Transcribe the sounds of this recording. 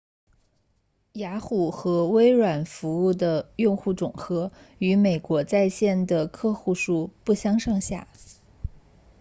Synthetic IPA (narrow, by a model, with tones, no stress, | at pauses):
ja˧˥xu˨˩xɤ˧˥we˥ɪɻwa˨˩nfu˧˥u˥˩d̪ə˩jʊ˥˧ŋxu˥˩ʈ͡ʂʊ˨˩ŋxɤ˧˥ | y˧˥me˨˩ɪkwɔ˧˥t͡sa˥˧ɪɕjɛ˥˩nd̪ə˩kʰɤ˥˧xu˥˧ʂu˥˧pu˥˩ɕjɑ˥ŋʂɑ˥˧ŋɕja̰˥˩